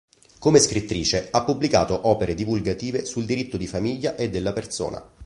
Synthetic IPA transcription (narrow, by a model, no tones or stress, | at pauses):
komeskɾit̪ːɾiːt͡ʃeapːublika̰ːt̪oʔɔːpeɾed̪ivulɡat̪iːvesuld̪iɾit̪ːod̪ifamiʎːaʔed̪ːelːapert̪so̰ːna̰